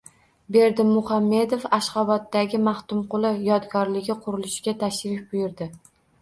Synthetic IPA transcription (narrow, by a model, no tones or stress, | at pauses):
be̞ɾd̪ɪmːʊχamːe̞d̪ofaʃqɑbat̪ːaɡʲɪmaht̪ʊmqʊlˠɪjɒd̪ɡɒɾlɪɡʲɪqʰʊɾɪlɪʃɡʲat̪ʰaʃɾɪfbʊjʊɾd̪ɪ